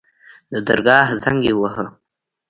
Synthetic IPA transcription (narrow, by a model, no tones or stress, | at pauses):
d̪əd̪əɾɡɑhzaŋɡewəɦə